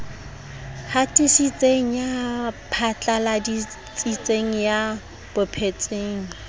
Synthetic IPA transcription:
hatʼɪsit͡sʼeŋ̩japʰat͡ɬʼaladi | t͡sʼit͡sʼeŋ̩ja | b̥ʊpʰet͡sʼeːŋ̩

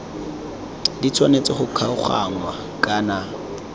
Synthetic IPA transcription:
dit͡sʰwanet͡sɪχʊkʰaʊχa̰ŋwa | kʼaːna

